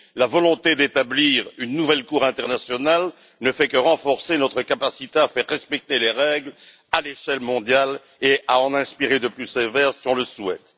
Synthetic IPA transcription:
lavɔlɔ̃t̪ed̪et̪abliːʁynːuvɛlkuʁɛ̃t̪ɛʁnasjɔnal | nəfɛkəʁɑ̃fɔʁsenɔt̪χəkapasit̪eafɛʁːɛspɛk̚t̪eleʁɛɡl | aleʃɛlmɔ̃d̪jal | eaɑ̃nɛ̃spiʁed̪əplysevɛʁsiɔ̃ləswɛt̪

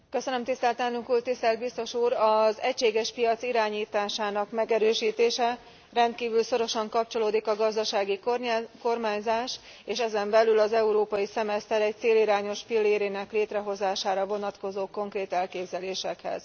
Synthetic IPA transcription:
kø̞sønømt̪ist̪ɛlt̪ɛnukult̪ːist̪ɛlt̪̚bist̪o̞ʃuːɾɒzɛcʃeːɡɛʃpijɒt̪siɾaːɲiːt̪aːʃaːnɒkmɛɡɛɾøːʃiːt̪eːʃɛ | rɛnt̪kiːvylso̞ɾo̞ʃɒŋkɒp̚t͡ʃo̞loːd̪ikɒɡɒzd̪ɒʃaːɡikrko̞rmaːɲzaːʃ | eːʃɛzɛmbɛlylɒzɛuɾoːpɒjisɛmɛst̪ɛɾɛc̚t̪seːliɾaːɲo̞ʃpilːeːɾeːnɛkleːt̪rɛɦo̞zaːʃaːɾɒvo̞nɒt̪ko̞zoːko̞ŋkreːt̪ɛlkeːbzɛleːʃɛkhɛ̰z̥

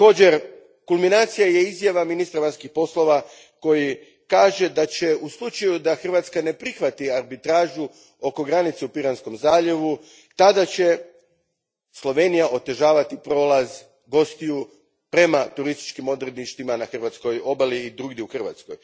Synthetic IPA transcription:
ako̞ːd͡ʑe̞ɾ | kulˠminaːt̪sijaje̞izjaʋaminist̪ɾaʋanskixpo̞slˠo̞ʋa | ko̞ji | kaːʒe̞d̪at͡ɕe̞uslˠut͡ʃajud̪axr̩ʋat̪skane̞pɾixʋat̪iaɾbit̪ɾaːʒu | o̞ko̞ɡɾanit̪seupiɾansko̞mzaːʎe̞ʋu | t̪ad̪at͡ɕe̞ | slˠo̞ʋe̞nijaʔo̞t̪e̞ʒaːʋat̪ipɾo̞ːlˠaz | ɡo̞st̪iju | pɾe̞mat̪uɾist̪i̥t͡ʃkimo̞d̪ɾed̪niʃt̪imanaxr̩ʋat̪sko̞jo̞baliːd̪ɾuːɡd̪iuxr̩ʋa̰t̪skoj

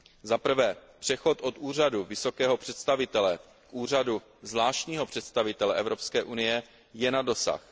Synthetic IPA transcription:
zapr̩vɛːpr̥ɛxo̞t̪ʔo̞t̪uːr̝aduvɪso̞kɛːɦo̞pr̝̥ɛt̪st̪avɪt̪ɛlɛ | kʔuːr̝adu | zlaːʃcɲiːɦo̞pr̥ɛt̪st̪avɪt̪ɛlɛʔɛvɾo̞pskɛːʔunɪjɛ | jɛnado̞sa̰x

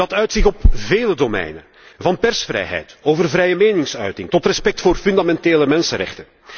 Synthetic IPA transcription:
ɑtœɥtsɪxɔpveːlədomɛ̰jnə̰ | vɑnpɛrsfrɛ̰jɦɛ̰jtoːvərvɾɛjəmeːnɪŋsœ̰ɥtɪŋtɔtrɛspɛk̚tfoːrfʏndamɛnteːləmɛnsəɾɛ̰xtən

